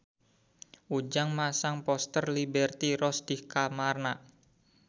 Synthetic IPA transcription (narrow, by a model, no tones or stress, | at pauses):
ʔud͡ʒaŋmasaŋpɔst̪ərlibɛrt̪iɾɔsd̪̥ihkamarna